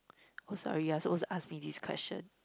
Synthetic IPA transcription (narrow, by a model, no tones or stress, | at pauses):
osɔ̰ɹijɛsɪt̚wɔzasmidiskʰw̥ɛ̰st͡ʃə̰̃n